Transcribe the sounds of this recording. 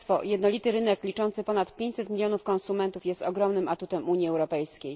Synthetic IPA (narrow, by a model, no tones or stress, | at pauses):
t̪fɔjɛd̪nɔlʲit̪ɘɾɘnɛklʲit͡ʂɔnt̪sɘpɔnat̪pʲjẽɲt͡ɕsɛt̪mʲilʲjɔnufkɔ̃ñsumɛnt̪ufjɛst̪ɔɡɾɔmnɘmat̪ut̪ɛmuɲiɛwɾɔpɛjskʲej